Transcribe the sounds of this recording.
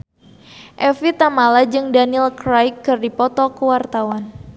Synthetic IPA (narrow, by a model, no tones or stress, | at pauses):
ʔɛfit̪amalad͡ʒɨŋdanilkɾajkːɨrdipɔt̪ɔkəwart̪awan